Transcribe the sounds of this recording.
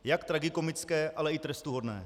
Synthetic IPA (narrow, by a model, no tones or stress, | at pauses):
jakt̪ɾaɡɪko̞mɪt͡skɛːʔalɛɪt̪ɾɛst̪uɦo̞dnɛ̰ː